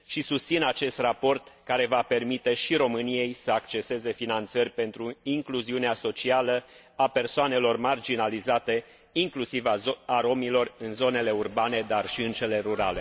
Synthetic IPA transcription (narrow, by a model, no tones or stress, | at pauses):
ʃisust̪sinat͡ʃe̞st̪rapo̞rt̪kaɾe̞vape̞rmit̪e̞ʃiɾo̞mɨnije̞jsəakt͡ʃe̞se̞ze̞finant̪sərʲpe̞nt̪ɾuiŋkluziuneaso̞t͡ʃialə | ape̞rsoane̞lo̞rmard͡ʒinalizat̪e̞ | iŋklusivaaɾo̞milo̞rɨnzo̞ne̞le̞urbane̞d̪arʃiɨnt̪t͡ʃele̞ɾuɾale̞